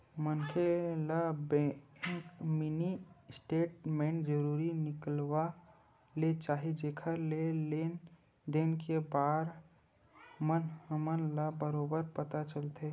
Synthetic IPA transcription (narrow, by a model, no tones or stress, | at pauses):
mənkelabɛkminisʈeːʈ̚mẽɳʈd͡ʒəɾuːɾinɪkəlwa | let͡ʃaːɦid͡ʒekʰəlelen | d̪eːnkebaːɾ | mənəmənlabəɾoːbəɾpət̪at͡ʃəlt̪e